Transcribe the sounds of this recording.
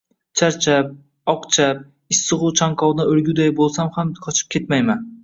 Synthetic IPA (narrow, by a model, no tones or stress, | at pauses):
t͡ʃʰaɾt͡ʃʰap̚ | ɒqt͡ʃʰap̚ | ɪsːɨʁʊt͡ʃʰaŋkʰɒwd̪aɵɾɡʲʊd̪ajbolˠsamhamkʰɒt͡ʃʰɪ̥p̚kʰʲe̞t̪majman